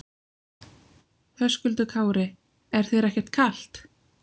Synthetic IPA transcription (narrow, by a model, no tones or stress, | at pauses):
θœskʏlt̪ʏkʰaːwɾɪ | ɛɾ̥θejɾɛhcɛ̥ɾ̥t̪̚kʰal̥t̪